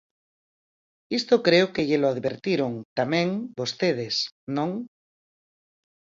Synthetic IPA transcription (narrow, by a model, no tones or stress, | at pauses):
ist̪okɾeokeʎeloaðβeɾt̪iɾoŋt̪amẽŋbost̪eð̞esnõŋ